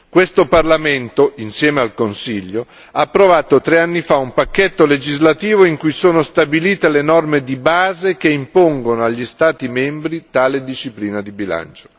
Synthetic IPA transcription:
kwest̪oparlament̪oinsjɛːmealkonsiʎːo | aːpːɾovaːt̪ot̪ɾeanːifaumpakːet̪ːoled͡ʒizlat̪iːvoiŋkujsoːnost̪abiliːt̪elenɔrmed̪ibaːzek̟eimpoŋɡonoaʎːist̪aːt̪imɛmbɾit̪aːled̪iʃːipliːnad̪ibila̰nt͡ʃo̥

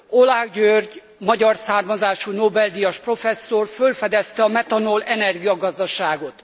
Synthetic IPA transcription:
olaɡɟørɟ | mɒɟɒrsaːrmɒzaːʃunobɛld̪ijɒʃpro̞fɛsːorfølfɛd̪ɛst̪ɛɒmɛt̪ɒnolɛnɛrɡijɒɡɒzd̪ɒʃaːɡo̞t̪

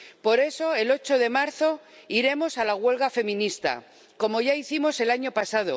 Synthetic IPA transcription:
po̞ɾe̞so̞e̞lo̞t͡ʃo̞ðe̞maɾθo̞ | iɾe̞mo̞salaɣwe̞lɣafe̞mĩnist̪a̰ | ko̞mo̞ʝaiθimo̞se̞laɲo̞pasað̞o̞̰

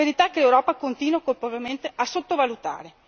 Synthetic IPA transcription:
eɾit̪akːelewɾɔːpakont̪iːnwakolpovement̪eʔasot̪ːovalut̪a̰ːɾe

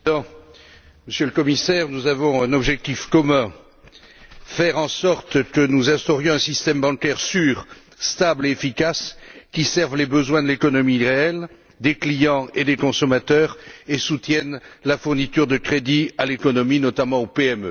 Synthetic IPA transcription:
ɑ̃ | məsjøləkɔmisɛʁnuzavɔ̃ɛ̃nɔbʒɛk̚t̪ifkɔmɛ̃ | fɛʁɑ̃sɔʁt̪kənuzɛ̃st̪ɔʁjɔ̃ɛ̃sist̪ɛmbɑ̃kɛʁsyːʁ | st̪ableefikaskʲisɛʁvlebəzwɛ̃d̪əlekɔnɔmiʁeɛl | d̪eklijɑ̃ed̪ekɔ̃sɔmat̪œʁesut̪jɛnlafuʁnit̪yʁd̪əkχed̪ialekɔnɔminɔt̪amɑ̃opeɛmø

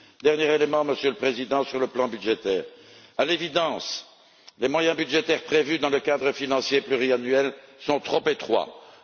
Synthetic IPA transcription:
d̪ɛʁnjeʁelemɑ̃məsjøləpχezid̪ɑ̃syʁləplɑ̃byd̪ʒet̪ɛːʁ | alevid̪ɑ̃s | lemwajɛ̃byd̪ʒet̪ɛʁpχevyd̪ɑ̃ləkad̪ʁəfinɑ̃sjeplyʁianɥɛlsɔ̃t̪χopet̪χwa̰

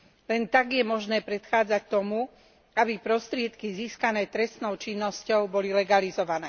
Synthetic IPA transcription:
lɛnt̪aɡjɛmɔʒnɛːpɾɛt̪xaːd͡zact̪ɔmu | abipɾɔst̪ɾɪɛt̪kiziːskanɛːt̪ɾɛst̪nɔʊt͡ʃinːɔscɔʊbɔlilɛɡalizɔʋanɛː

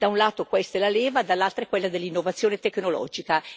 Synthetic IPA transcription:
d̪̥aunlaːt̪okwɛst̪elaleːvad̪alːalt̪ɾaɛkwelːad̪elːinːovat̪sːjoːnet̪ekːnolɔ̰ːd͡ʒika

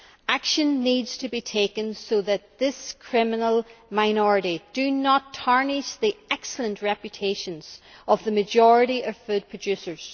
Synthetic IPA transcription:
akʃə̃nːidz̥tʰəbitʰekə̃nsoðət̪̚ðɪskʰɹ̥ɪmənəlˠmaɪnɔɹɨɾid̥ənətʰaɹnɪsðiɛksl̩ˠə̃nʔɹɛpjɨtʰeʃə̃nz̥əvðəməd͡ʒɔɹəɾiʔʌv̥fʉd̚pʰɹ̥əd͡ʒʉsə˞z̥

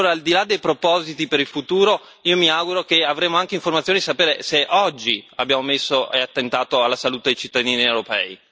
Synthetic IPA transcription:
oːɾaːld̪ilad̪ːejpɾopɔzit̪ipeɾilfut̪uːɾo | iːomiaɡuɾokeavɾeːmoaŋk̟eiɱformat̪sːonid̪isapeːɾeseʔɔd͡ʒːia̰bːjaːmomesːoʔeat̪ːent̪aːt̪oalːasalut̪ed̪ejt͡ʃit̪ːad̪iːniewɾopɛ̰ːi

